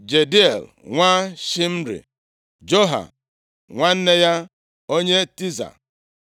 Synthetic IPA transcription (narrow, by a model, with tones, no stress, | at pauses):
d͡ʒe˨di˦e˨l | ŋʷa˦ʃi˦m̩˦ɾḭ˨ | d͡ʒo˦ɦa̰˨ | ŋʷa˦n̩˦ne˦ja˦ | o˦ɲe˦ti˦za̰˨